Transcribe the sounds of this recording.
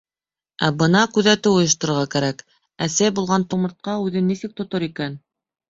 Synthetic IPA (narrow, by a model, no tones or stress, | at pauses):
æbɤnɑkʉðæt̪ɘŏjɤ̆ʃ̬t̪ɤ̆ɾ̆ɾʁɑkæɾæk | æsæjbulˠʁɑnt̪umɤ̆ɾt̪̚qɑʉðɘnːisɘk̚t̪ŏt̪oɾikæn